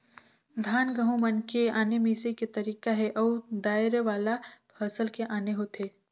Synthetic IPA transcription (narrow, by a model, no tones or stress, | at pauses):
d̪ʱaːnɡəɦũmɐnkeaːnemẽseket̪ɐɾiːkaɦɛʔɔwd̪aːɪɾʋaːlapʰɐsəlkeʔaːneɦot̪ʰeː